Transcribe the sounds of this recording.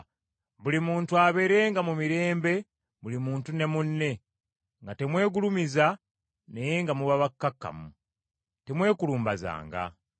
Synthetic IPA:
βulimuːntuaβe̞ɾe̞ːŋɡamumiɾe̞ːmbe̞ | βulimuːntune̞munːe̞ | ŋɡate̞mwe̞ːɡulumiza | ne̞jeŋɡamuβaβakːakːa̰mu | te̞mwe̞ːkuluːmbaza̰ːŋɡa̰

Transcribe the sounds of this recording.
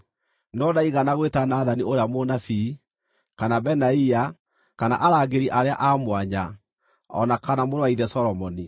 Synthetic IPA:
nɔnaiɣanaɣwetanaːðanioɾeamonafi | kanabɛnaia | kana̰ʔaɾaɡeɾiʔaɾea̰ʔamwaɲa | ɔ̰nakanamoɾwaiðɛsɔɾɔmɔni

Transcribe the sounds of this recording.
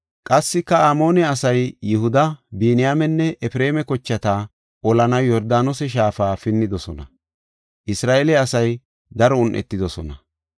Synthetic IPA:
kʼɐsːɪkːɐaːmo̞ːnɛɐsɐjːɪhʊd̪ɐbiːnɪjaːmɛnːɛʔɛfɾe̞ːmɛkɔt͡ʃːɐt̪a | ʔɔlɐnɐjɔɾd̪aːnɔsɛʃ̬aːfaːfɪnːɪd̪ɔsɔnɐ̰ | ʔɪsɾaːʔelɛɐsɐj | d̪ɐɾɔʊnʔɛ̰t̪ːɪd̪ɔsɔnɐ

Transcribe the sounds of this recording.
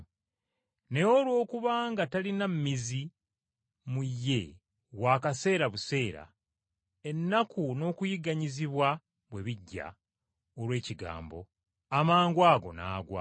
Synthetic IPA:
ne̞olwo̞ːkuβaːŋɡatalinammizi | mujːe̞ | waːkase̞ːɾaβuse̞ːɾa̰ | e̞nːakuno̞ːkujiɡaɲiziβwa | βwe̞βiɟːa̰ | olwe̞ːciɡa̰ːmbo̞̰ | amaːŋɡwaːɡo̞̰na̰ːɡwa̰

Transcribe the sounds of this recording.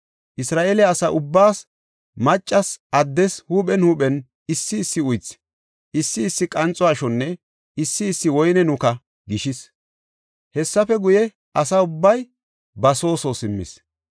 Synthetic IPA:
ʔɪsɾaːʔeːlɛːsɐʔʊbːaːs | mɐt͡ʃʼːɐsɐd̪ːɛshuɓɛnhuːpɛn | ɪsːɪːsːɪʊjt͡sː | ɪsːɪːsːɪkʼɐnt͡sʼɔaːʃɔnːɛ | ɪsːɪːsːɪwɔjnɛnʊkɐ | ɡɪʃɪs | hɛsːɐfɛɡʊjɛ | ɐsɐʊbːɐj | bɐso̞ːso̞sɪmːɪ̰s

